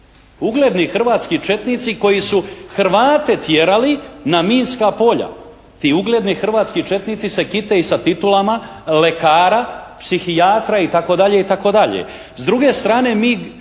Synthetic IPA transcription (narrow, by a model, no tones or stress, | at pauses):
uɡle̞d̪nixr̩ʋaːt̪skit͡ʃe̞t̪nit̪siko̞jisuxɾʋaːt̪e̞t̪jeɾalinamiːnskapo̞ʎa̰ | t̪iuɡle̞d̪nixr̩ʋaːt̪skit͡ʃe̞t̪nit̪sise̞kit̪e̞isat̪it̪ulama | le̞kaːɾapsixijaːt̪ɾait̪ako̞d̪aʎe̞it̪ako̞d̪aʎḛ | zd̪ɾuɡe̞st̪ɾaːne̞miː